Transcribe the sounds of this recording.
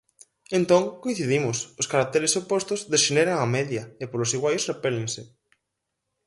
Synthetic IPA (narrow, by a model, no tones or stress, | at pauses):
ẽnt̪oŋkoĩn̟θiðimʊsʊskaɾak̚t̪eɾesopost̪ʊzðesʃeneɾaŋamɛðjɐepolosiɣwajosrepɛleŋsɪ